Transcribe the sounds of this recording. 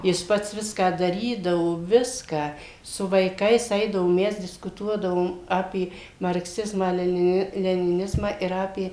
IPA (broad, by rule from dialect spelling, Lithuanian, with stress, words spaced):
jɪs ˈpɐts ˈʋʲɪskɑː dɐˈrʲiːdɐʋoː ˈʋʲɪskɑː sʊ ʋɐɪˈkɐɪs ˈɛɪdɐʋoː ˈmʲɛs dʲɪskʊˈtuɔdɐʋoːm ˈɑːpʲeː mɐrkˈsʲɪzmɑː lʲɛnʲɪˈnʲɪ lʲɛnʲɪˈnʲɪzmɑː ɪr ˈɑːpʲeː